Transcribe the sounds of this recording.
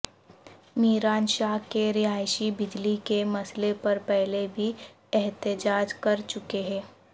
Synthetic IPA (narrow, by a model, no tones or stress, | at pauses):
miːɾaːnʃaːɦkeɾɪɦaːjʃibɪd͡ʒlikemɐslepɐɾpɛɦlebʱi | ɛɦt̪ɪd͡ʒaːd͡ʒkɐɾt͡ʃʊkeɦɛ̃ː